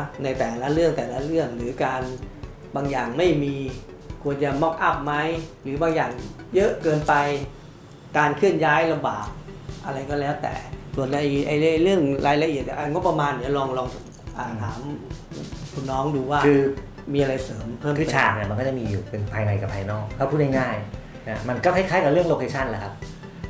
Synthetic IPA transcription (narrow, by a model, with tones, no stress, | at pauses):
na˧jt̪ɛː˨˩la˦˥ʔɾɯ˥˩əŋt̪ɛː˨˩la˦˥ɾɯ˥˩əŋɾɯː˩˦kaː˧n | baː˧ŋjaː˨˩ŋma˥˩jmiː˧ | kʰu˧ənt͡ɕa˧˩mɔ˦˥k̚ʔa˦˥˩p̚ma˦˥jɾɯː˩˦baː˧ŋjaː˨˩ŋ | jɤ˦˥ʔkɤː˧npa˧j | kaː˧nkʰɯ˥˩ənjaː˦˥jla˧mba̰ː˨˩k̚ʔa˧ɾa˧jkɔː˥˩lɛː˦˥wt̪ɛ̰ː˨˩su˨˩ənʔa˧jʔa˧jjlɯ˥˩əŋɾʔaː˧jla˧ʔi˨˩ət̪̚nḭ˧˩ʔa˧˩jŋo˦˥pːa˧maː˧nːi˨˩˦lɔː˧ŋlɔː˧ŋ˨˩ | ʔaː˨˩t̪ʰa̰ː˩˦m˩ | pʰu˧˩˨nɔː˦˥ŋduː˧waː˥˩kʰɯː˧ | miː˧ʔa˧ɾa˧jsɤː˩˦mpʰɤː˥˩˨kʰɯ˧˩t͡ɕʰaː˩k̚ni˧˩m˧nkʰɔ˥˩t͡ɕa˨˩miː˧juː˨˩pe˧npʰaː˧jna˧jka˨˩pʰːaː˧jnɔː˥˩k̚ʰːaː˥˩pʰuː˥˩na˥jŋaː˥˩j | na˦˥ma˧nkɔː˥˩kʰa˥˩kʰaː˦˥jka˨˩ɾɯ˥˩əŋlo˧˥˩kʰe˧t͡ɕʰa˥˩nlaː˨˦˩kʰa˦˥p̚